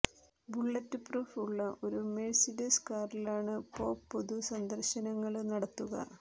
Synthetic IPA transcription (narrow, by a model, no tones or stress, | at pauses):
buɭːɐtːɨpruːfuɭːɐʔo̞ɾumelsidɐskaːrilaːɳɨpo̞ːpːoðusɐnd̪ɐrɕɐnɐŋːɐɭnɐɽɐt̪ːuɣɐ̰